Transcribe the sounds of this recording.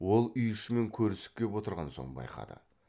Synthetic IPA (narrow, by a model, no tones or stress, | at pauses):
wo̞lˠʏjʏʃɪme̞ŋkʲʰɵɾɪsɪ̥k̚kʲʰe̞pwo̞t̪əɾʁɑnso̞̰ɴbɑ̰jqɑ̰d̪ə̰